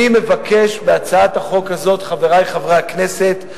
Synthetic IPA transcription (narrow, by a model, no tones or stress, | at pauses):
imevake̞ʃbeat͡saathaχo̞khazo̞tχaveʁajχavʁejakne̞se̞t